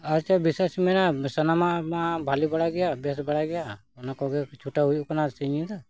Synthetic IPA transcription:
aɾt͡ʃabisesimɛnasənamamãbʱalibəɽaɡɛjabɛsbəɽaɡɛja | ɔnakɔɡɛt͡ʃʰuʈaɦujkɔnasiɲid̪a

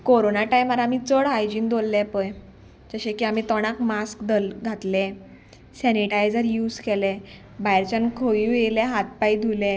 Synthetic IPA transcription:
koɾonaʈajmaɾamit͡səɭɦajd͡ʑiːnd̪olːɛpəj | d͡ʑəɕẽkiam̤it̪ɔɽ̃akmaskd̪əlɡʱat̪lɛ̃ | sɛniʈajd͡zəɾjuːd͡zkɛlɛ̃ | bajɾt͡ɕankʰojujelɛɦat̪̚pajd̪ʱulɛ

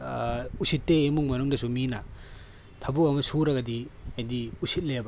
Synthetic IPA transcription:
usitːeːmuŋmɐnuŋdɐsumina | tʰɐbuɐmɐsuɾɐɡɐdiajdiusit̚lebɐ

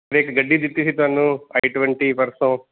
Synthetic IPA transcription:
ɐɾeːkɐɡɐɖːid̪it̪ːisit̪anːuɐjʈuʋɐɳʈipɐɾsɐ̃

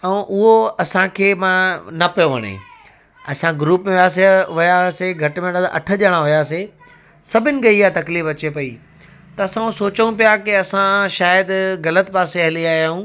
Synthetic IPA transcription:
ɛ̃ʔʊɦoɐsãkʰeːmãnɐpɐjoʋɐɽ̃ḛ̃ | ɐsãɡɾuːpmẽaːs̬eʋʊjaseɡʱɐʈɪmẽɗaːd̪ʔɐ̰ʈʰə̆ʄəɽ̃aɦʊjase | sɐbʱɪnɪ̆ɡɐiat̪ɐkliːfɐt͡ɕepɐḭ | t̪ɐɐsãsoːt͡ɕəũpijakiɐsãʃaːjəd̪ɣɐlət̪paːseɐɦliaːɦijaːɦũː

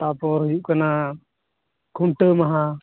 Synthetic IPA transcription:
t̪apɔɾɦujuʔkana | kʰuɳʈəmaɦã

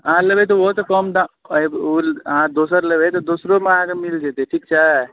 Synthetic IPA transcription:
ãləbet̪̬oʋot̪ɔkɔmd̪ãulãd̪oːsəɾləbet̪ɔd̪oːsɾomãkemild͡ʒet̪eʈʰiːk̚t͡ʃa

